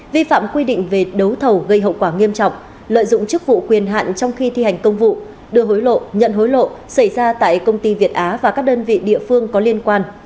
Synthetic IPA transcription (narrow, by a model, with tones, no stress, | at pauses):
vi˧fa̰ː˧˨mkwi˧ɗḭ̈˧˨ŋ̟ve˨˩ɗə˨˦wt̪ʰə˨˩wɣə˧jɦə̰˧˨wkwaː˧˩ŋi˧əmt͡ɕɔ̰˧˨wŋ͡m | lə̰ː˧˨jzʊ̰˧˨ŋ͡mt͡ɕɨ˦˥k̚vṵ˧˨kwi˨˩ənɦa̰ː˧˨nt͡ɕɔ˧wŋ͡mxi˧t̪ʰi˧ha˨˩jŋ̟kə˧wŋ͡mvṵ˧˨ | ɗɨ˧˩əɦo˨˦jlo̰˧˨ɲə̰˧˨nɦo˨˦jlo̰˧˨sa˧˩jzaː˧t̪a̰ː˧˨jkə˧wŋ͡mt̪i˧vi˨˩ət̚ʔaː˨˦vaː˨˩kaː˦˥k̚ɗəː˧nvḭ˧˨ɗḭ˧˨əfɨ˧əŋkɔ˨˦li˧ənkwaː˧n